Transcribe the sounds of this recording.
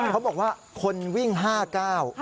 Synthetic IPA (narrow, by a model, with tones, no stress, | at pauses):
kʰa˦˥wbɔː˨˩k̚waː˥˩ | kʰo˧nwi˥˩ŋɦaː˥˩kaː˥˩w